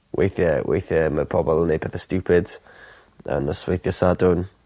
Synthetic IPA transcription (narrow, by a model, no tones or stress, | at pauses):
wʔḛjθjəwʔḛjθjəməpʰɔbɔlˠənːejbɛθəstjupʰɪd̥ | ə̰nəswejθjəsadʊn